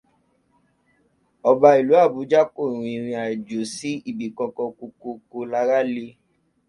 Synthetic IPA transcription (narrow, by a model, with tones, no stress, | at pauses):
ɔ˧ba˧i˨lu˨˦a˦˨bu˨˦d͡ʒa˦ko˦˨ɾ̃ũ˧i˨ɾ̃ĩ˧a˨d͡ʒo˨si˦i˦˨bi˨kɔ̃˧kɔ̃˧ko˧ko˧ko˧la˧ɾa˦le˧